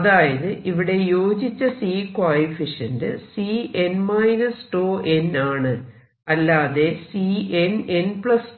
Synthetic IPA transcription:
ɐðaːjɐðɨʔiʋiɽe̞jo̞ːd͡ʑit͡ɕːɐsiːkwaːlifiʂɐndɨ̰sienmɐːjnɐsʈo̞ːʔe̞naːɳɨ | ɐlːaːðe̞siːenenpɭɐs

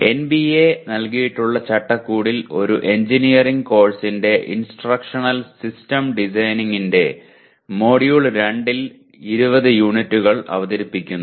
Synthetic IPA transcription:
e̞nbienɐlkijiʈːuɭːɐt͡ɕɐʈːɐkːuːɽilo̞ɾuʔe̞ɲd͡ʑinijɐriŋɡko̞ːɭsinde̞ʔḭnsʈrɐkʂɐɳɐlsistɐmɖisɐjniŋinde̞ | mo̞ːɽijuɭɾeɳɖil | iɾubɐðɨjuːɳitːuɣɐɭɐ̰ʋɐðɐɾipːikʲːunː

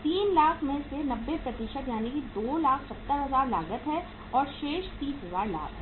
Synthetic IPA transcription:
t̪iːnlaːkʰmẽsenɐbːepɾɐt̪iʃət̪jaːnekid̪oːlaːkʰsɐt̪ːəɾɦɐzaːɾla̰ːɡət̪ɦɛ | ɔːɾʃeːʃt̪iːsɦɐzaːɾla̰ːɡɛ

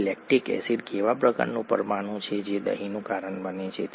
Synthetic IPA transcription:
lɛk̚ʈikɛ̰siɖkeʋapɾəka̰ɾnũpə̰ɾmanũt͡ʃʰed͡ʒed̪ə̰ɦinũkaɾəɳbənet͡ʃʰet̪

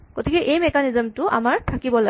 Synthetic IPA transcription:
ɡ̥otʰikɛʔejmɛkanizɛmtʊa̰maɹtʰakibɔla

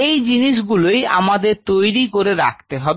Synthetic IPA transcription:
ejd͡ʑiniʃ̬ɡuloja̰mad̪eɾt̪ojɾikoɾeɾa̰k̚ʰt̪eɦɔbe

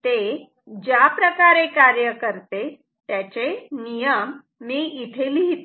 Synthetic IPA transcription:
t̪e | d͡ʑjapɾəkaɾekaɾjəkəɾt̪e | t̪jat͡ɕenijəmː | iːit̪ʰeliɦit̪

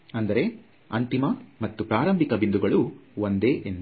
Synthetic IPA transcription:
ɐnd̪ɐɾe̞ | ɐnt̪imɐmɐt̪ːupɾaːɾɐmbʱikɐbind̪uɡɐɭuond̪eːʔen

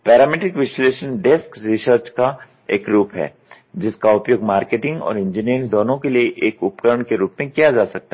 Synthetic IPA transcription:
pɛːɾaːmɪʈɾɪkʋɪʃleːʃənɖeskɾisəɾt͡ʃka | eːkɾuːpɦɛ̰ː | d͡ʒɪskaʊpjoːɡmaːɾkeːʈɪ̃ŋɡɔ̰ːɾɪ̃nd͡ʒiniɾɪ̃ŋd̪ɔːnõkelieʔeːkʊpkəɾəɳ̃keɾuːpmẽkijad͡ʒaːsɐk̚t̪aː

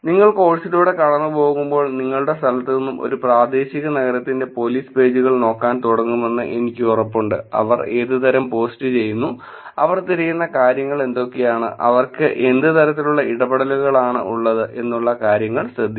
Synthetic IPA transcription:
niŋːɐɭko̞ːɭsiluːɽe̞kɐɽɐnːɨpo̞ːɣumbo̞ːɭniŋːɐɭuɽe̞st̪ʰɐlɐt̪ːenːumʔo̞̰ɾupraːd̪e̞ːɕiɣɐnɐɣɐɾɐt̪ːinde̞po̞liːspe̞ːd͡ʑuɣɐɭno̞ːkːaːnt̪uɽɐŋːume̞nːɨ̰ʔe̞nikʲːuurɐpːuɳɖɨ̰ɐ̰ʋɐre̞ːðɨt̪ɐɾɐmpo̞ːstɨt͡ɕe̞jːunːu | ɐʋɐrt̪iɾɐjːunːɐkaːɾjɐŋːɐɭe̞nd̪o̞kːe̞jaːɳɨ̰ʔɐ̰ʋɐrkɨʔe̞nd̪ɨt̪ɐɾɐt̪ːiluɭːɐʔiɽɐbɐɽɐluɣɐɭaːɳɨ̰ʔuɭːɐðɨʔe̞nːuɭːɐkaːɾjɐŋːɐɭɕɾɐd̪ʱːi

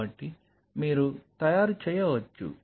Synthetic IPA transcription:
ɐʈːi | miːɾut̪ɐjaːɾut͡ʃɛːjɐʋɐt͡ʃːṵ

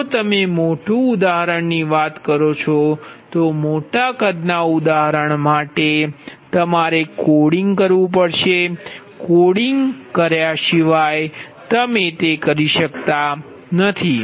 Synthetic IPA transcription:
ot̪əmemoʈũʊd̪aɦəɾəɳniʋat̪kəɾot͡ʃʰot̪omoʈakəd̪naud̪aɦəɾəɳmaʈet̪əmaɾekoɽiŋɡkəɾʋũpəɽʃe | koɽiŋɡkəɾjaʃiʋaj | t̪əmet̪ekəɾiʃəkt̪a | nət̪ʰi

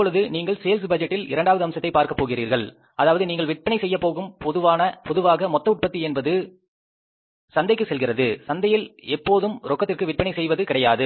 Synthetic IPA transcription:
ɐpːɔɭɯðɯniːŋɡɐɭseːls̬bɐd͡ʒɛʈːɪlɪ̰ɾɐɳɖaːʋɐðɯɐmsɐt̪ːɐɪpaːɾkɐpːoːɣɪriːɾɣɐɭ | ɐðaːʋɐðɯniːŋɡɐɭʋɪʈ̚pɐɳɐɪsɛjːɐpːoːɣɯmpɔðɯʋaːnɐpɔðɯʋaːɣɐmɔt̪ːɐʊʈ̚pɐt̪ːiɛnbɐðɯ | sɐnd̪ɐɪkːɯsɛlɣɪrɐðɯsɐnd̪ɐjɪlɛpːoːðɯmɾʔɔkːɐt̪ːɪrkɯʋɪʈ̚pɐɳɐɪsɛjʋɐðɯkɪɽɐjaːðɯ

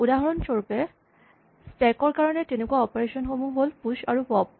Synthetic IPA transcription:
udaɦɔɹɔnt͡ʃɔɹpe | stɛkɔɹkaɹɔnetenekuaɔpeɹeʃɔnɦobuɦolpuʃaɹupɔb̚

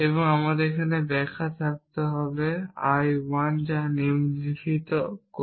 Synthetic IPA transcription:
ebɔŋamadekʰanɛbɛkʰat̪ʰak̚t̪ɔɦɔbea̰jwand͡ʒanimzikʰit̪ɔk

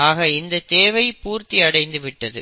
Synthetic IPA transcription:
aːɣɐɪnd̪ɐt̪eːʋɐɪpuːɾt̪iɐɽɐɪnd̪ɯʋɪʈːɐðɯ

